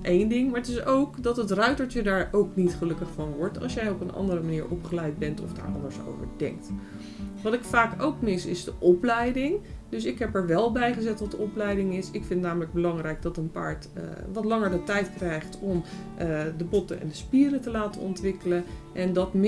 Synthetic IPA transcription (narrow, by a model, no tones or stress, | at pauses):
ʔejndɪŋmaːɹətɪsowkdɑtətrœɥtəɹt͡ʃədaːɹʔowknitχəlɵkəχfɑnʋɔɹtɑ̰lˠsjɛjɔpənʔɑ̰ndəɾəmaniːɹʔɔ̰pχəlɛjd̚bɛntɔ̰fda̰ːɹʔɑ̰ndəɹso̰wvə̰ɹdɛ̰ŋk̚t | ʋɑtɪkfaːkowkmɪsɪzdəʔɔplɛjdɪŋd̥ɵsɪkɦɛpɛɹʋɛlˠbɛjχəzɛtʋɑt̚dəɔplɛjdɪŋɪsɪkfɪntnaːmələɡ̚bəlɑŋrɛjɡ̚dɑtənpa̰ːɹtʋɑtlɑŋəɹdətɛjtkrɛjχtɔm | dəbɔtənɛ̰ndəspiːrətəlaːtənɔ̰ntʋɪkələnʔɛndɑtm